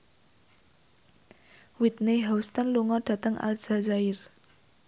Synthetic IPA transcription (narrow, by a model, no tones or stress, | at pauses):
wit̪̚neɦast̪anluŋɔɖ̥ä̤t̪əŋa̰lz̥azaɪr